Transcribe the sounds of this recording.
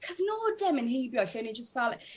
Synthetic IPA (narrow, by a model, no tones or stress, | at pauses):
kʰəvnɔːdɛmənhejbjɔɬinid͡ʒəstvɛlˠ